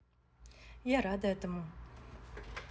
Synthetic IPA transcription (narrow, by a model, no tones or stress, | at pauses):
jaɾad̪at̪əmaŋ